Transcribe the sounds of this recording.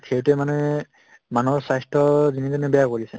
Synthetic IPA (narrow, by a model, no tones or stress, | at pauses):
kʰewtɛmanɛ | manɔɹsajstʰɔzinitɛnɛbɛjakoɹisɛ̰